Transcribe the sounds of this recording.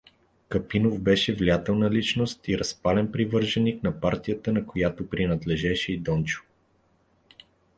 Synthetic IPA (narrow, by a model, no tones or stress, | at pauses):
kɐpinovbɛʃɛvliat̪ɛlˠnɐlit͡ʃnost̪iɾɐspalɛnpɾivɤɾʒɛniknɐpaɾt̪ijət̪ənɐkojat̪opɾinɐd̪lɛʒɛʃɛid̪ɔnt͡ʃʊ̥